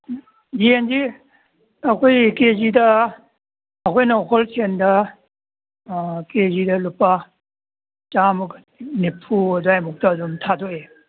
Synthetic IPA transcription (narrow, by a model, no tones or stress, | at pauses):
diend͡ʒi | ɐkʰojkezidɐ | ɐkʰojnɔkʰɔlsʰendɐ | kezidɐlupːa | t͡ʃamuk | nipʰuɐduajmuk̚taːdumtʰad̪ɔe